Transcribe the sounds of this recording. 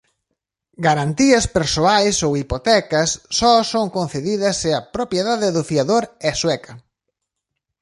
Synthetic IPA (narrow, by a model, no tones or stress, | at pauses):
ɡaɾant̪iɐspeɾsoajsowipot̪ɛkɐsːɔsoŋkon̟θeðiðɐsɪɐpɾopjeðaðɪðʊfiaðoɾɛswɛkɐ